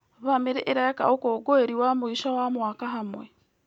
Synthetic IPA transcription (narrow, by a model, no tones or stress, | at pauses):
βameɾɛʔeɾajaka̰okoːɡoeɾiwamoiʃawamwaːkaɦamwɛ